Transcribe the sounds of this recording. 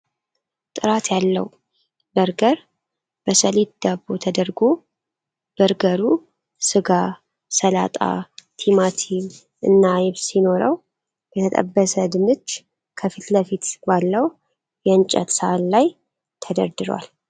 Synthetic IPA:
t̪ʼɨɾat̪jalːə̰w | bəɾɡəɾ | b̥əsəlit̪d̪̥abot̪ʰəd̪əɾɡo | b̥əɾɡəɾu | sɨɡa | səlat̪ʼa̰t̪ʰimat̪ʰin | ʔɨ̰nːajβsino̞ɾə̰w | jɛt̪ʰət̪ʼə̰bːəsəd̪ɨmɨt͡ʃː | kʰəfit̪ləfit̪balːəw | jɛɨnt͡ʃʼə̰t̪səallaj | t̪ʰəd̪əɾd̪ɨɾwa̰l

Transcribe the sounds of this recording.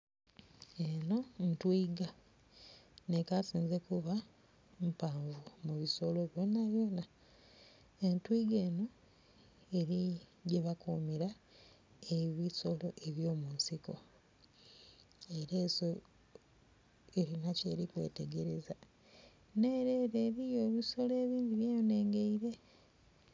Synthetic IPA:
eno̞ntwiːɡa | ne̞kasiːnze̞kuβa | mpaːɱvumuβiso̞loβjonaβjo̞ːna | entwiːɡe̞ːno | eɾiɟeβakuːmiɾa | eβiso̞lo̞ʔe̞βjoːmunsiko̞̰ | eɾe̞ːso̞ | eɾinace̞ːɾikwe̞̰ːte̞ɡe̞ɾe̞za | ne̞ːɾe̞ːɾeːɾijo̞ːβiso̞le̞ːβiːndiβjejone̞ːŋɡe̞iɾe̞

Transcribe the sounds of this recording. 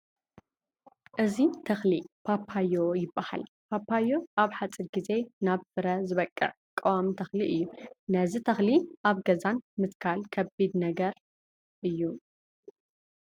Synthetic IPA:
ʔɨzit̪ʰɐxlipʰapʰajojɪbːaha̰l | pʰapʰːajo̞ʔaβħat͡sʼiɾɡize̞naβfɨɾɐzɨβɐkʼːɨ̰ʕ | kʼːɐwamt̪ʰɐxliʔɨjːunɐzit̪ʰɐxliʔaβɡɐzanmɨt̪kʰalkʰɐbid̪nɐɡɐɾ | ʔɨjːu

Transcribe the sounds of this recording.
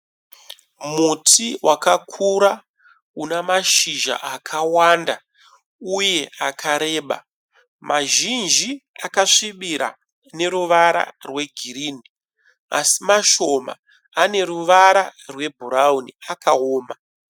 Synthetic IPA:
mutʰiwakakʰuɾa | unamaʃiʒa̰ʔakʰawanda | uje̞ʔakʰaɾe̞ːɓa̰ | maʒind͡ʒiakaʂiɓiɾa̰ | ne̞ɾuʋaɾa̰rwe̞ɡʱiɾiːni | a̰simaʃo̞ma̰ː | ne̞ɾuʋaɾarwe̞bʱuɾauniakaoːma

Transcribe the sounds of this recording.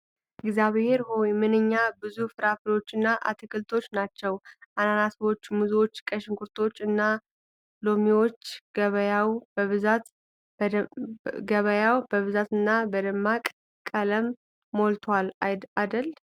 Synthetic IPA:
ʔɨɡzjaβhe̞ɾhojmɨnɨɲːabɨzufɨɾafɨlo̞t͡ʃːɨnːaʔa̰t̪ʰɨkʰɨlt̪ʰo̞t͡ʃːnat͡ʃːɛwʔananasβo̞t͡ʃːmuzwo̞t͡ʃːkʼəʃɪŋkʰuɾt̪ʰo̞t͡ʃːɨnːa | lomiwo̞t͡ʃːɡ̥əβəjawbəβɨzat̪ | ɡəβəjawbəβɨzat̪ɨnːabəd̪əmːakʼ | kʼːələmː | olt̪ʰwalajd̪ad̪əl

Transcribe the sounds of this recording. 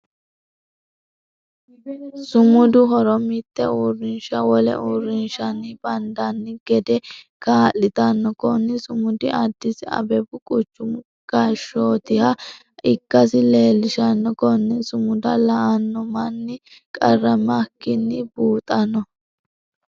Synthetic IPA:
sʊmʊd̪ʊɦɔɾɔmɪt̪ːɛurɪnʃɐwɔlɛ̰ʔurːɪnʃɐnːɪb̥ɐnd̪ɐnːɪɡ̥ɛd̪ɛkaːlːɪt̪ɐnːɔkɔnːɪsʊmʊd̪ɪʔɐd̪ːɪsɪɐ̰bɛbʊkʼʊt͡ʃːʊm | ɡ̥ɐʃoːt̪ɪhɐ | ɪkːɐsɪle̞ːlːɪʃɐnːɔkɔnːɛsʊmʊd̪ɐlɐʔɐnːɔmɐnːɪ | kʼɐrːɐmɐkːɪnːɪbuːt̪ʼɐnɔ

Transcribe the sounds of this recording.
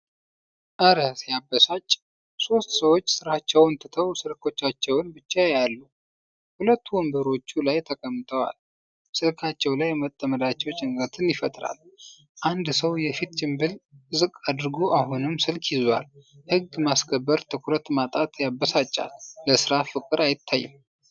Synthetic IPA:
ʔəɾəsjabːəsat͡ʃʼː | so̞st̪səwo̞t͡ʃːsɨɾat͡ʃːɛwɨnt̪ʰɨt̪ʰəwsɨlkʰo̞t͡ʃːat͡ʃːɛwnbɨt͡ʃːajalːu | hulət̪ʰːuwɨmbəɾo̞t͡ʃːulajt̪ʰəkʼəmːt̪ʰʼəwa̰l | sɨlkʰat͡ʃːɛwlajmət̪ʼːəməd̪at͡ʃːɛwt͡ʃʼɪŋɡɾət̪ʰɨnjɪfət̪ʼɾa̰l | ʔand̪səwjɛfit̪t͡ʃʼɪmbɨlzɨkʼad̪ɾɡoʔaɦunɨmsɨlkʰjizwa̰l | hɨɡmaskʰəbːəɾt̪ʰɨkʰuɾət̪mat̪ʼat̪jabːəsat͡ʃʼːa̰lːəsɨɾafɨkʼɨɾajɪt̪ʰːajːɪm

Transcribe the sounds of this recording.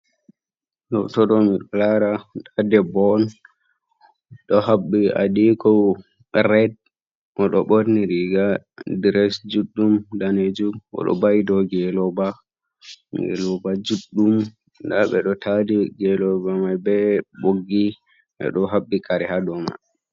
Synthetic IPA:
ɗɔ̰tɔɗɔmiɗɔlaɾaɗadɛbɔn | ɗɔhabːia̰ɗikɔ | ɾɛd̚ | ʔɔɗɔɓoɾniɾiɡadiɾɛsd͡ʒuɗːumdaned͡ʒumʔɔ̰ɗɔ̰bajdɔɡɛlɔba | ɡɛ̰lɔbad͡ʒuɗːum | daɓɛ̰ɗɔtʰadiɡɛlɔbamajbɛboɡːi | ʔɛ̰ɗɔɦabːikʰaɾɛhadɔma̰

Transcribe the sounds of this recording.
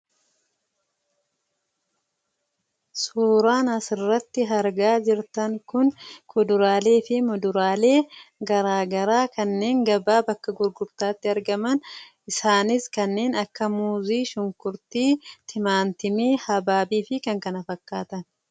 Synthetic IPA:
suːɾaːnɐsɪrːɐt̪ːɪɦɐɾɡaːd͡ʒɪɾt̪ɐŋkʊnkʰʊd̪ʊɾaːle̞ːfɪmʊd̪ʊɾaːle̞ːɡɐɾaːɡɐɾaːkɐnːe̞ːŋɡɐbaːbɐkːɐɡʊɾɡʊbt̪aːt̪ːɪɐɾɡɐmɐn | ɪsaːnɪskɐnːe̞ːnɐkːɐmuːziːʃʊŋkʊɾt̪iːt̪ʰɪmaːnt̪ɪmiːhɐbaːbiːfɪkɐŋkɐnɐfɐkːaːt̪ɐn

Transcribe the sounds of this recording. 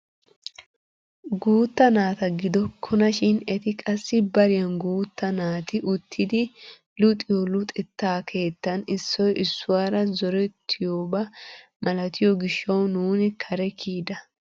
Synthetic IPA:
ɡuːt̪ːɐnaːt̪ɐɡɪd̪ɔkʰʊnɐʃɪnɛt̪ɪkʼɐsːɪbɐɾɪjɐnɡuːt̪ːɐnaːt̪ɪʔʊt̪ʰːɪd̪ɪ | lʊt̪ʼɪjɔlʊt̪ʼɛt̪ːaːkʰe̞ːt̪ːɐnɪsːɔjʔɪsːʊwaːɾɐzɔɾɛt̪ʰːɪjoːbɐ | mɐlɐt̪ɪjɔɡɪʃːɐwnuːnɪkʰɐɾɛkʰiːd̪ɐ

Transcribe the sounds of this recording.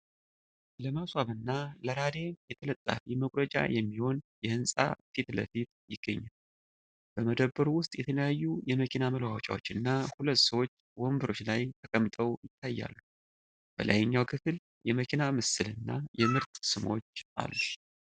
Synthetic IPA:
ləmaswaβɨnːaləɾad̪e̞mjɛt̪ʰələt̪ʼːa̰fiməkʼɾəd͡ʒʼa̰jɛmːiho̞njɛhɨnsʼa̰fit̪lə̰fit̪jɪɡ̥ːəɲːal | b̥əməd̪əbːəɾuwʊst̪ʼjɛt̪ʰələjajːujɛməkʰinaməlwawt͡ʃʼa̰wot͡ʃːɨnːahulət̪səwo̞t͡ʃːwombɨɾo̞t͡ʃːlajt̪ʰəkʼəmːt̪ʼəwjɪt̪ʰːajːa̰lːu | b̥ə̰lʔa̰jɲːawkʰɨfɨl | jɛməkʰinamɨsɨlɨnːajɛmɨɾt̪sɨmo̞̰t͡ʃːʔa̰lːuʃ

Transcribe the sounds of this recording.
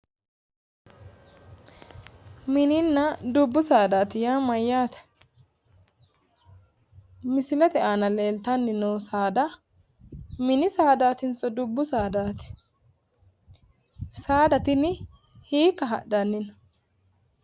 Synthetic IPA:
mɪnɪnːɐd̪ʊbːʊsaːd̪aːt̪ɪjaːmɐjːaːt̪ɛ̥ | mɪsɪlɛt̪ɛʔaːnɐleːlt̪ɐnːɪnoːsaːd̪ɐ | mɪnɪsaːd̪aːt̪ɪnt͡sʼɔd̪ʊbːʊsaːd̪aːt̪ɪ̥ | saːd̪ɐt̪ɪnɪ | hiːkːɐɦɐ̰ɗːɐnːɪn

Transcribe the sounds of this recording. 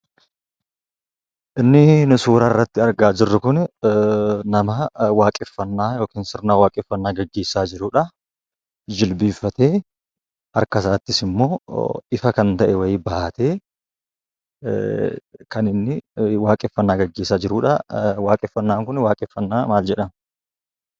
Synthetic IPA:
ʔɪnːɪnʊsuːɾaːɪrːɐt̪ːɪɐɾɡaːd͡ʒɪrːʊkʊnɛ | nɐmɐwaːkʼɪfːɐnːaːjo̞ːkiːnsɪɾnaːwaːkʼɪfːɐnːaːɡɐɡːe̞ːsːaːd͡ʒɪɾʊːᶑɐ | d͡ʒɪlbiːfːɐt̪eː | hɐɾkɐsaːt̪ːɪsɪmːo̞ːɪfɐkɐnt̪ɐʔɛwɐjbɐʔɐt̪eː | kɐnɪnːɪwaːkʼɪfːɐnːaːɡɐɡːe̞ːsːaːd͡ʒɪɾuːᶑɐwaːkʼɪfːɐnːaːŋkʊnwaːkʼɪfːɐnːaːmaːld͡ʒɛᶑɐm

